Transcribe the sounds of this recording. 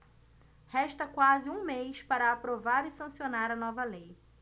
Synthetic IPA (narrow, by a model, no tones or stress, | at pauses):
hɛʃt̪ɐkwazɪũmejspaɾɐːpɾovaɾɪsɐ̃sionaɾɐnɔvɐlej